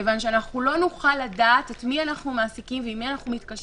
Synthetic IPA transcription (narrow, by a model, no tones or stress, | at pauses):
evanʃeanaχulo̞nuχalːadatetmianaχnumaːsikimvemianaχnumitkaʃ